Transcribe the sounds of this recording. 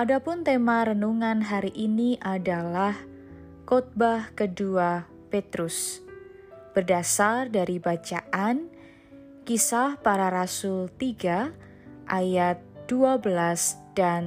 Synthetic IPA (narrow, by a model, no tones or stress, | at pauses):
ʔadapʊnt̪emaɾənuŋanɦaɾiʔiniʔadalah | kɔt̪̚bahkədua | pet̪ɾʊs | b̥ərdasardaɾibat͡ʃaʔan | kisahpaɾaɾasʊlt̪iɡa | ʔajat̪̚d̥uabəlasd̥an